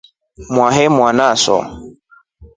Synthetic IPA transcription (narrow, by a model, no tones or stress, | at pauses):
mwaɦɛmwanasɔ̰